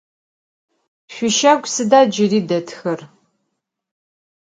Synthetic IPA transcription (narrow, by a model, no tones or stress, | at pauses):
ɕʷʊʃɐɡʷsɨdaːd͡ʒɪriːdɐtʰxɐr